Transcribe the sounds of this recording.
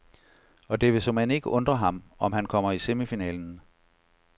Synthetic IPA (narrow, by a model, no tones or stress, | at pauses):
ɒ̽d̥e̝ʋe̝sɒ̽mhæne̝ɡ̥əʔɔ̽nd̥ʁɐɦɑ̈mɒ̽mɦænkʰɒ̽m̰ɐise̝mifinɛ̰ːln̩